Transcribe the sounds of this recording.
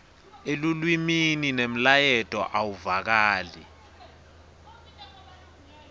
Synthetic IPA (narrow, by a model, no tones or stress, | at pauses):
elulwimininem̩lajɛtʼɔ̰ʔawuvak̬aːli